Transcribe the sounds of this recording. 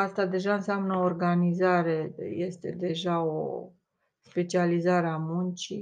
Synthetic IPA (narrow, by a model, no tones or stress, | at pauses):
ast̪ad̪e̞ʒaɨnseamnəoːrɡanizaɾe̞je̞st̪e̞̰d̪e̞ʒao̰ | spe̞t͡ʃializaɾeamunt͡ʃi